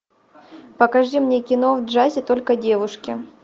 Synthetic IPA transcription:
pəkɐʐimnʲekʲɪno̞vdʐazʲɪt̪o̞lʲkədʲe̞vʊʂkʲɪ

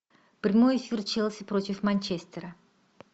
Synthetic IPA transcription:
prʲɪmo̞jɪfʲirt͡ʃelˠsʲɪprot̪ʲɪfmɐnʲt͡ʃesʲt̪ʲeɾə

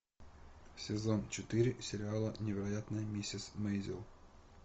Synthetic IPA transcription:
sʲɪzont͡ɕɪt̪ɨɾʲɪsʲɪɾʲɪalˠənʲɪvʲɪɾɐjat̪nəjəmʲesʲɪsmejzʲɪ̰lˠ

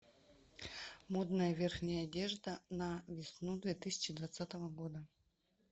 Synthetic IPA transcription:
mod̪nəjəvʲerxnʲɪjəɐdʲeʐd̪ənəvʲɪsnud̪vʲet̪ɨsʲɪ̥t͡ɕɪd̪vat̪sat̪əvəɡod̪ə

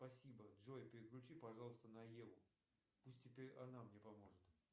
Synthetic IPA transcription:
spɐsʲibədʐojɪpʲɪɾʲɪklʲʊt͡ɕipɐʐɑlˠəst̪ənɐjevʊ | pusʲt̚ʲːɪpʲeɾʲɐnamnʲepɐmo̞ʐɨt̪

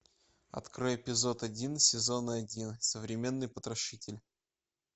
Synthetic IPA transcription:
ɐ̰t̪kɾojəpʲɪzo̞t̪ɐdʲinsʲɪzo̞nəɐdʲinsəvɾʲɪmʲe̞nːɨjpət̪ɾɐʂɨtʲɪlʲ

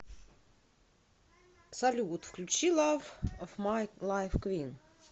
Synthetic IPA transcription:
sɐlʲut̪fklʲʉt͡ɕilˠavɔvmajlˠajfkwʲin

